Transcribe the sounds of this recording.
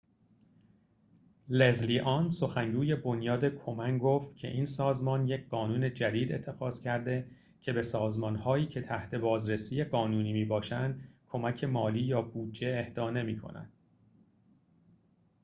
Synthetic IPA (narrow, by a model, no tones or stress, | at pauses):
lezliːʔɒnso̞xæŋɡuːje̞bo̞njɒːd̪e̞kʰo̞mæŋɡoft̪cʰe̞̰ʔiːnsɒːzmɒːnje̞cʰɢɒːnuːne̞d͡ʒæd̪iːd̪e̞̰t̪ʰːe̞xɒːz̥cʰæɾd̪e̞ | cʰe̞be̞sɒːzmɒnhɒːiːcʰe̞t̪ʰæht̪ʰe̞bɒːzɾesiːjeɢɒːnuːniːmiːbɒːʃænd̪̥kʰo̞mæcʰe̞mɒːliːjɒːbuːd͡ʒːe̞ːhd̪ɒːne̞miːkʰo̞̰næ̰nd̪̚